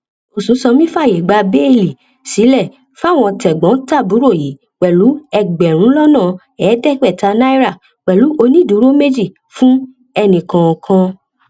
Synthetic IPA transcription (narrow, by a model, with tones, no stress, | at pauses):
o˨sũ˨˦sɔ˧mĩ˦fa˦˨je˨ɡ͡ba˧be˦˨li˨ | si˨˦lɛ˦˨ | fa˦˨w̃ɔ̃˧tɛ˨ɡ͡bɔ̃˨˦ta˦˨bu˨˦ɾo˦˨ji˨˦ | k͡pɛ˨lu˨˦ɛ˧ɡ͡bɛ˨ɾ̃ũ˨˦lɔ˦nãː˦˨ | ɛː˨˦dɛ˦k͡pɛ˦˨ta˧˦na˦i˦ɾa˦˨ | k͡pɛ˨lu˨˦o˧nĩ˦˨du˨˦ɾo˦me˦d͡ʒi˦˨ | fũ˦ | ɛ˧nĩ˨kã˨kʰã˧